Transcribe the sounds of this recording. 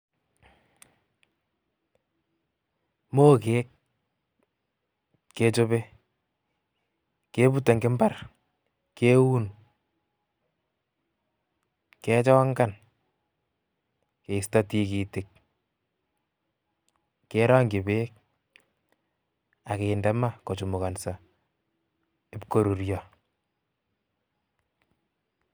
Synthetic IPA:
moː˦keː˦k̚ | e˦t͡ʃo˦be˦ | ke˦pu˦te˨ŋɡɪ˦mba˦r | ke˦wu˦n | ke˦t͡ʃɔ˦ŋɡa˦˨n | ke˨sta˦ti˦ki˨tɪk̚ | keɾɔ˦ŋɡi˨be˦k̚ | a˨ke˨ndɛ˦ma˦ko˨t͡ʃu˨mu˨ka˨nsa˨ | ɪ˦pko˨ɾu˨ɾjɔ˨

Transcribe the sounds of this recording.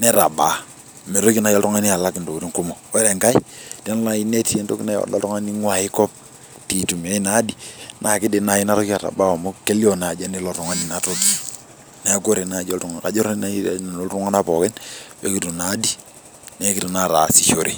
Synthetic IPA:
nɛ˦ɾa̰˨ba˨ | me˨ɾo˦ki˦na˨jɔ˦ltɔ˦ŋa˦ni˦a˨la˦ki˨ndo˨ku˨ɾi˦ŋku˦mo˨we˦ɾe˨ŋka˦i˦te˦n˦la˦i˦ne˦ti˦e˦nto˦ki˦na˦j̰lɔ̰˦tɔ˦ŋa˦ni˦ŋwa˨ɪ˦kɔ˦p̚ | ti˨tu˨me˦i˦na˦di˨na˨kɪ˦de˨na˨i˦na˦ɾo˦ki˦a˨ɾa̰˨ba˦o˨mo˦ke˦li˦ɔ˨na˨d͡ʒa˦ni˦lo˨tɔ˨ŋa˦ni˨na˨to˦ki˦ | ne˦a˦ɡo˦ɾe˨na˨d͡ʒo˦ltɔ˦ŋ˨ka˨d͡ʒo˦ɾa˦a̰˦˨n˨no˦lɾu˦ŋa˦na˦pɔ˨kɛ˦njo̰˦ki˨tu˨na˨˦di˦ | ne˦ki˦tu˨na˦ɾa˨si˨ʃo˨ɾḭ˨

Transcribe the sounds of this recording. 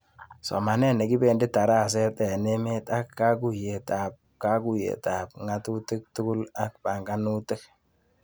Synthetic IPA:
sɔ̰˨ma˨nɛ˦ne˨ɡi˦be˨nde˦tːa˨ɾa˦˨s̬ɛ˦tɛ˨ne˦me˦ta˦kːa˦ku˨je˨ta˨p̚ | ka˦ku˦jḛ˨ta˨p̚ŋa˦tu˦te˦k̚tʊ˦ɡʊ˦la˦k̚pa˨ŋɡa˦nu˦te˦k̚

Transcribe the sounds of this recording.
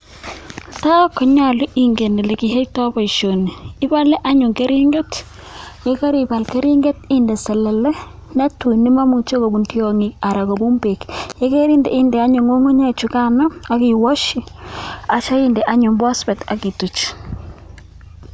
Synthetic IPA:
ta˦kɔ˨ɲa˦˨lʊ˦ʔi˨ŋɡe˨ne˨le˨ki˨ɦe˦tɔ˦bɔ˨ʃo˨niː˨˦ba˦le˦ʔa˦ɲʊ˨ŋke˦ɾi˦ŋɡe˦t | je˦ka˦ɾiba˨lke˦ɾi˦ŋɡe˦ti˦nde˨sɛ˨lɛ˨lɛ˦ | nɛ˦tu˨ni˦ma˦mu˨t͡ʃo˦ko˨bu˨nti˦o˨ŋi˨a˨ɾa˨ko˨bu˦mbe˨kje˦ke˦ɾi˦ndḛ˨i˦nde˨a˦ɲʊ˨ŋo˦ŋu˦ɲa˦˨t͡ʃu˨ka˦nɔ˦a˦ki˨wɔ˦ʃi˨a˨t͡ʃa˦i˦nde˨ʔa˦ɲʊ˨mbɔ˦spɛ˨ta˨ki˨tu˨t͡ʃ

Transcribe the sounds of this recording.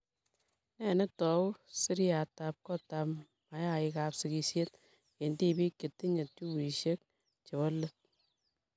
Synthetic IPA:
nɛ˨˦˨nɛ˦tɔ˨˦wsi˦ɾa˨ta˨p̚kɔ˦ta˨m | ma˨ja˦ɪ˧ka˨psɪ˨ki˧sje˦t̚ | ke˨nti˦˨bi˦kːe˨tːi˦ɲe˨t̚t͡ʃu˦wi˨ʃe˦k̚ | t͡ʃe˨wɔ˦lːe˦t̚

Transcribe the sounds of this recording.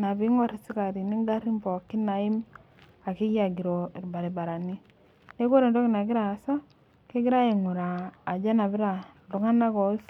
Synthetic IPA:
na˨βi˦ŋɔ˦ɾi˨si˦ka˨ɾi˨ni˦ŋɡa˦ɾi˦mbɔ˨kːi˦na˨i˦m | a˨ki˦ja˨ɡi˨ɾɔ˨i˨ɾba˨ɾi˨ba˨ɾa˨ni˦ | ne˦ko˦ɾe˨ndɔ˦kɪ˨na˨ɡɪ˦ɾa˨sa˦ | ki˦ɡɪ˦ɾa˦e˨ŋu˨ɾaː˨d͡ʒa˦na˨βɪ˦ɾa˨ | lu˨ŋa˦na˦kɔ˨˦s

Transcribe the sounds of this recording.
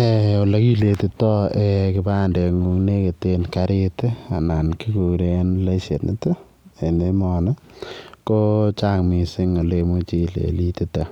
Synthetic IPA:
e˨ɔ˨lɐ˦ki˦le˨ti˨tɔ˦e˨kɪ˦ba˦nde˨ŋu˦ŋne˦ke˨tenkaɾɪ˦ta˨na˨nki˦ku˨ɾe˦nle˦se˨tnɪ˦t | e˨ne˦mɔ˨nɔ˦ko˦t͡ʃa˦ŋmi˨sɪ˦ŋɔ˨le˧mu˦t͡ʃi˦lḛ˨li˦ti˦ta˨

